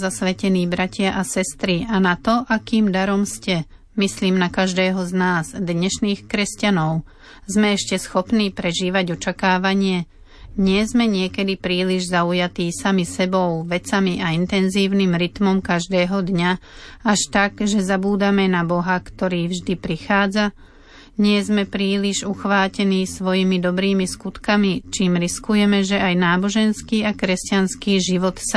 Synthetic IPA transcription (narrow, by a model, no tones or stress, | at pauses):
zasʋɛcɛniːbɾacɪaʔasɛst̪ɾianat̪ɔʔakiːmd̪aɾɔmscɛ | misliːmnakaʒd̪ɛːɦɔznaːzd̪ɲɛʃniːxkɾɛscanɔʊ | zmɛɛʃcɛsxɔpniːpɾɛʒiːʋaɟɔt͡ʃakaːʋaɲɪɛ | ɲɪɛzmɛɲɪɛkɛd̪ipɾiːliʒzaujat̪iːsamisɛbɔʊʋɛt͡samiʔaint̪ɛnziːʊnimɾit̪mɔmkaʒd̪ɛːɦɔd̪ɲaaʃt̪aɡʒɛzabuːd̪amɛnabɔɦakt̪ɔɾiːvʒd̪ipɾixaːd͡za | ɲɪɛzmɛpɾiːliʒuxʋaːcɛniːsʋɔjimid̪ɔbɾiːmiskut̪kamit͡ʃiːmɾiskujɛmɛʒɛʔajnaːbɔʒɛnskiːakɾɛscanskiːʒiʋɔt̪sa